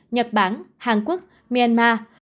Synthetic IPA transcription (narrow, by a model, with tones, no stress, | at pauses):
ɲə˨˩t̚ɓaː˧˩nhaː˨˩ŋku˦˥ək̚ | mi˧a˧nmaː˧